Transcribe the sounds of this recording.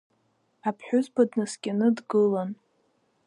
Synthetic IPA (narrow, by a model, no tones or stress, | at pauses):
apʰħʷᶣʊzbadnɨsɡʲanɨdɡɨlan